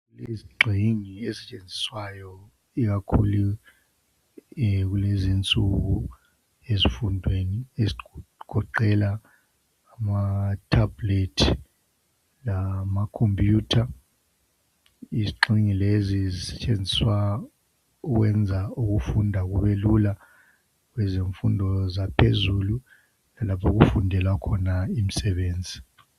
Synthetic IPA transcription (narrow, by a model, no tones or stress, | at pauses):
uliziɡ͡ǃʱiŋiezɛt͡ʃʼend͡zʱi̥swajɔ | iɣakʰulu | ɣulezint͡sʼuɣu | ezifundʱwenieziɡ̥ʱɔǃɛlaː | matʰabletʰi | lamakʰompʰʼjuːtʰa | iziǃiŋilezizisɛ̥t͡ʃʼend͡zʱiswa | uɣwɛnd͡zʱauɣufundʱaɣuβelula | kwɛzeɱfundʱɔzapʰezulu | nalapʰɔɣufundʱɛlwakʰɔnaim̩sɛɓeːnd͡zʱi